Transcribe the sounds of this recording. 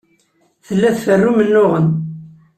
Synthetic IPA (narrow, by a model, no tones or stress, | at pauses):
θəlːæθfərːumənːʊʁən